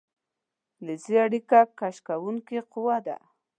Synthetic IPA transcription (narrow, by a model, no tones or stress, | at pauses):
lɪziaɽikakaʃkawuŋkeqʊwad̪a̰